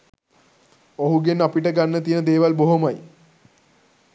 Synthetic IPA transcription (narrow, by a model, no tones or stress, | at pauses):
oɦuɡenapiʈəɡanːət̪ijənəd̪eːʋalboɦomaj